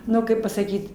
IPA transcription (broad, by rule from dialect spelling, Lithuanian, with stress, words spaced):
ˈnʊ ˈkɐɪp pɐsɐˈkʲiːt